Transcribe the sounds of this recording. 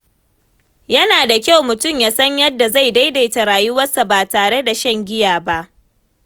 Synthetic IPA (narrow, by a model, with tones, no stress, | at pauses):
jɐ˦naː˨da˨kʲa˦˨wmʊ˨tʊ˦˨mjaː˨sɐ˦ɲjɐ˦dːa˨za˦jda˦jda˨jtɐ˨ɾaː˨jʊ˦wɐ˦sa˨baː˨taː˨ɽe˦da˨ʃɐ˦ŋɡʲɪ˦jaː˨ba˦ʔ